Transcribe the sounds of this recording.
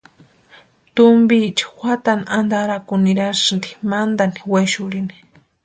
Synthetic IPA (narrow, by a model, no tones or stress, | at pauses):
t̪ʊmbit͡ʃḁxʷat̪anand̪aɾakuniɾaʃnd̪i̥mand̪aniwajʃʊɾini̥